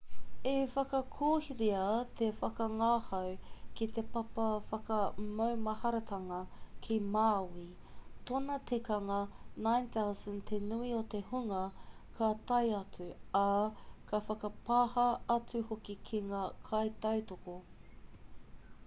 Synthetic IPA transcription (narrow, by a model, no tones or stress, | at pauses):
efɐkɐkʰoːhiɾeɐt̪ʰefɐkɐŋaːhɐwkit̪e̞pɐpɐfɐkɐmɐwmɐhɐɾɐt̪ʰɐŋɐkʰimaːwi | t̪onɐtʰikɐŋɐnãjnθawsɐ̃nt̪ʰenuiot̪e̞huŋɐkʰat̪ɐjɐt͡sʉakʰɐfɐkɐpahɐɐt͡suhokikʰiŋakʰɐjt̪ɐwt̪oko